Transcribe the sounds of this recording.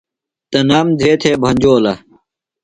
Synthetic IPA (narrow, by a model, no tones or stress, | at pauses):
t̪ɐnaːmd̪ʱeːt̪ʰeːbʱɐ̃ɲd͡ʑoːlɐ